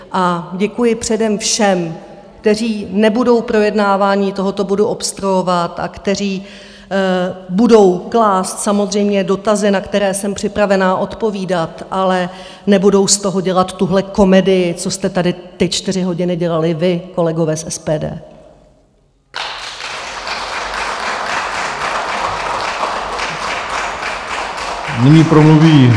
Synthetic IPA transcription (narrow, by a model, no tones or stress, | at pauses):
ʔaɟɛkujɪpr̝̥ɛdɛmfʃɛm | kt̪ɛr̝iːnɛbudo̞wpɾo̞jɛdnaːvaːɲiːt̪o̞ɦo̞t̪o̞boduʔo̞pst̪ɾojo̞vat̪ʔa̰kt̪ɛr̝iː | budo̞wklaːst̪samo̞zr̝ɛjmɲɛdo̞t̪azɪnakt̪ɛɾɛːsɛmpr̥ɪpɾavɛnaːʔo̞t̪po̞viːdat̪ʔalɛ | nɛbudo̞wst̪o̞ɦo̞ɟɛlat̪ːuɦlɛko̞mɛdɪjɪt͡so̞st̪ɛt̪adɪt̪ɪt͡ʃt̪ɪr̝ɪɦo̞ɟɪnɪɟɛlalɪvɪko̞lɛɡo̞vɛːsʔɛspɛːdɛ̰ː | nɪɲiːpɾomluviː